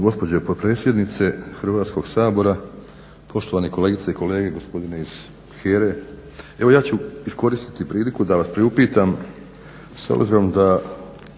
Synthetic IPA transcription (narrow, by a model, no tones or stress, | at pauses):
ɡo̞spo̞d͡ʑepot̪̚pɾe̞sʲje̞d̪nit̪se̞xɾʋaːt̪sko̞ɡsaːbo̞ɾa | pʰo̞ʃt̪o̞ʋaːneko̞le̞ːɡit̪saiko̞le̞ːɡe̞ɡo̞spo̞d̪ineiz̥ | xeːɾe | e̞ʋojaːt͡ɕuisko̞ɾist̪i̥t̪ipɾiːlikud̪aʋaspɾiupiːt̪am | so̰bziɾo̞md̪a